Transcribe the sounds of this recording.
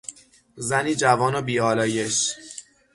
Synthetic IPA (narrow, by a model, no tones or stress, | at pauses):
zæniːd͡ʒævɒːnobiːɒːlɒːje̞ʃ